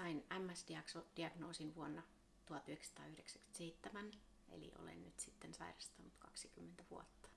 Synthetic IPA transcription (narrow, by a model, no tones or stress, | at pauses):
sɑinæmːæsdiɑksod̥iɑɡnoːsinʋuonːɑ | t̪uhɑt̪yhekst̪ɑ̰ːyhdeksæky̥e̥t̪seit̪ːemæn | ḛlḭʔo̰lḛnnyt̪sit̪ːensɑ̰irɑst̪ɑnːut̪kɑksikymːent̪æʋuot̪ːɑ̥